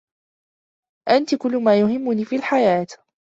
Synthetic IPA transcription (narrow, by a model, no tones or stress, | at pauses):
ʔant̪ɪkʊlːʊmaːjʊɦɪmːʊniːfiːlħajaːt̪